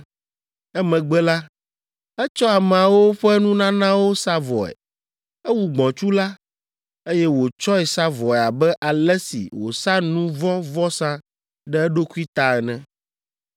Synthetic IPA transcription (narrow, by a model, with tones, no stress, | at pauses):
ɛ˦mɛ̃˨ɡ͡bɛ˦la˦ | ɛ˦t͡ʃɔ˦a˨mɛ̃˨a˨wo˦ɸɛ˦nũ˦nã˦nã˦wo˦sa˦vɔ˨ɛ̰˨ | ɛ˦wu˨ɡ͡bɔ̃˨t͡ʃu˦la˦ | e˦jɛ˦wo˨t͡ʃɔ˦ɛ˨sa˦vɔ˨ɛ˨a˨bɛ˦ʔa˨lɛ˦sḭ˨wo˨sa˦nũ˦vɔ̃˦vɔ̃˦sã˦ | ɖɛ˦ɛ˦ɖo˦ku˦i˦t̪a˨ɛ˨nɛ̃˦